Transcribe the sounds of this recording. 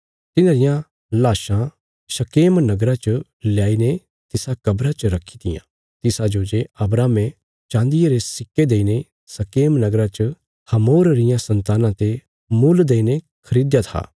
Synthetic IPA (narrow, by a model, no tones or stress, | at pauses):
t̪ɪnãːɾɪjã | laːʃã | ʃɐkeːmnɐɡɾãt͡ʃə | ljaːine | t̪ɪsakɐbɾãt͡ʃəɾɐkʰːi̥t̪ɪjã̰ | t̪ɪsad͡ʒoːd͡ʒeɐbɾaːmẽ | t͡ʃãːnd̪ɪjeɾesɪkːed̪eːine | sɐkeːmnɐɡɾãt͡ʃə | hɐmoːɾɾɪjãsɐ̃nt̪aːnãt̪e | muld̪eːine | kʰɐɾiːd̪jat̪ʰa̰ː